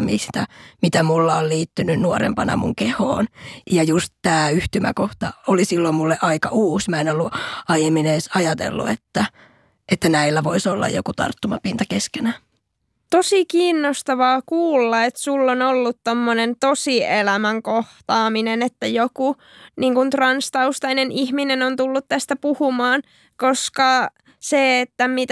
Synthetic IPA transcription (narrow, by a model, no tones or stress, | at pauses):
mist̪æmit̪æmulːɑolliːt̪ːynynnuoɾḛmpɑnɑ̰mṵŋkeho̰ːnjɑjust̪t̪æːyht̪ymæ̰koht̪ɑolisilːommulːeʔɑikɑʔuːsmæenolːuɑjemineːsɑjɑt̪ḛlːṵet̪ːæ | ʔet̪ːænæilːæʋoisolːɑ̰jo̰kut̪ɑ̰rt̪ːumɑpint̪ɑkeskenæ | t̪osikiːnːost̪ɑʋɑːkuːlːɑet̪sulːonolːut̪t̪omːonent̪osielæmæŋkoht̪ɑːminenet̪ːæjoku | niːŋkunt̪rɑnst̪ɑust̪ɑinenihminenont̪ulːut̪t̪æst̪æpuhumɑːn | koskɑ | seːt̪ːæmit̪